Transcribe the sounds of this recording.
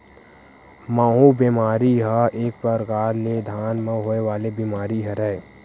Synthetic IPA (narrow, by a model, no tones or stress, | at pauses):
maːɦũbemaːɾiɦəeːk̚pəɾɡaːɾned̪ʱaːnmə̃ɦoːeʋaːlebimaːɾiɦəɾɛ